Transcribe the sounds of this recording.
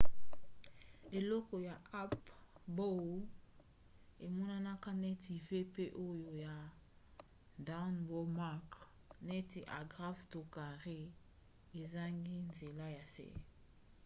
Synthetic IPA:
e˨lɔ˦kɔ˨ja˨a˦pbo˦ | e˨mɔ˦na˦na˦ka˦ne˦ti˨ve˦pe˦ʔo˦jo˨ja˨ | da˦nbɔ˦ma˦˨k | ne˦ti˨ʔa̰˨ɡʁa˦fto˨ka˨ʁe˦˨ | e˨za˦ŋɡi˦nze˨la˦ja˨sḛ˦

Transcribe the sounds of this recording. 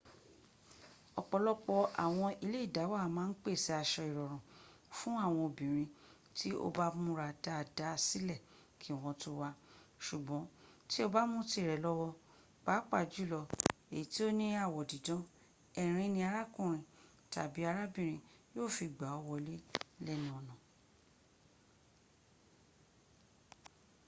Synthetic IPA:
ɔ˨k͡pɔ˧lɔ˦k͡pɔ˧ʔa̰˨w̃ɔ̃˧i˧le˦i˦˨da˨˦wa˦mãː˦n̩˦k͡pe˦˨si˨˦a˧ʃɔ˧i˨ɾɔ˨ɾ̃ɔ̃˨ | fũ˦a˦˨w̃ɔ̃˧o˨bĩ˨ɾ̃ĩ˧ | ti˦o̰˧ba˦mũ˦ɾa˧˨da˦˨da˨˦˧si˦lɛ˦˨ | kʰi˨˦˨w̃ɔ̃˧tu˦wa˧ʃu˨ɡ͡bɔ̃˨˦ti˦o˦ba˦mũ˦ti˦˨ɾɛ˨˦lɔ˦wɔ˧ | k͡pa˨˦k͡pa˦˨d͡ʒu˦˨lɔ˧e˨i˨˦ti˦o˦nĩ˦a˦˨wɔ˨di˨dɔ̃˨˦ | ɛ˨ɾ̃ĩ˧nĩ˧a˧ɾa˦kũ˦˨ɾ̃ĩ˧ | ta̰˨bi˨˦a˧ɾa˦bĩ˦˨ɾ̃ĩ˧joː˦˨fi˧˨ɡ͡ba˨˦ɔ˧wɔ˧le˦lɛ˦nĩ˨˦ɔ˧nɔ̃˨

